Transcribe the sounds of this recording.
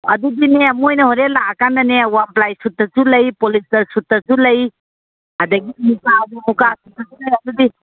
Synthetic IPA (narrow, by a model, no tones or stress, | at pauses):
ɐdudineamojnɐhɔɾelakandanewamplajsutːət͡ʃuləjpɔlistɐɾsutːəzuləj | adaɡimukadumukasutazulɐjɐdudi